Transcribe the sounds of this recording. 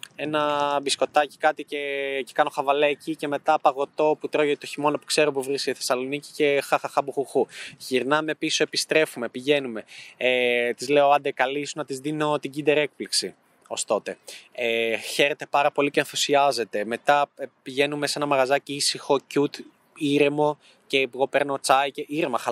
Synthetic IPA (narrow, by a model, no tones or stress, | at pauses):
e̞nɐbisko̞t̪ɐci̥kɐt̪icecekɐno̞xɐvɐlecice̞me̞t̪ɐpɐɣo̞t̪o̞put̪ɾo̞ʝet̪o̞çimo̞nopu̥kse̞ɾopuvɾiskeθe̞sɐlo̞nici̥cexɐxɐxɐbuxuxuʝiɾnɐme̞piso̞e̞pist̪ɾe̞fume̞piʝe̞nume̞et̪izle̞oɐnd̪ekɐlisunɐt̪izðino̞t̪iɟind̪e̞ɾe̞k̚pliksi | o̞st̪o̞t̪e̞eçe̞ɾet̪e̞pɐɾɐpo̞liceɐnfusiɐze̞t̪e̞me̞t̪ɐpiʝe̞numesenɐmɐɣɐzɐciisixo̞cut̪ | iɾemo̞ | ce̞ɣo̞pe̞ɾno̞t͡sɐjceʔiɾemɐxɐ